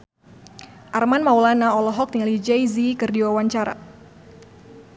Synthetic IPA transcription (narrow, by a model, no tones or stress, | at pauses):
ʔarmanmawlanaɔlɔɦɔk̚t̪ialid͡ʒɛjzikɨrdiwawaɲt͡ʃaɾa̰